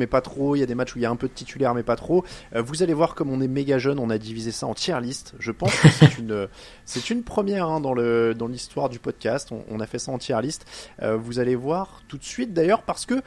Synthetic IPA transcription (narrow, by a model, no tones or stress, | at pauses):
mɛpat̪χoiljad̪emat͡ʃuiljaɛ̃pød̪ət̪it̪ʰylɛʁmɛpat̪χoøvuzalevwaʁkɔmɔ̃nɛmeɡʲaʒœnɔ̃nad̪ivizesaɑ̃t̪jɛʁlist̪ʒəpɑ̃skəsɛt̪ynø | sɛt̪ynpχəmjɛʁɛ̃d̪ɑ̃ləd̪ɑ̃list̪waʁd̪ypɔd̪̚kʲast̪ɔ̰̃ʔɔ̰̃nafɛsaɑ̃t̪jɛʁlist̪ø̰vuzalevwaʁt̪ut̪sɥit̪̚d̪ajœʁpaʁsə̥kə